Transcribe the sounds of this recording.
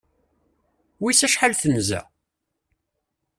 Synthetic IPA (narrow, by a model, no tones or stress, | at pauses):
wisæʃħalθənzæ̰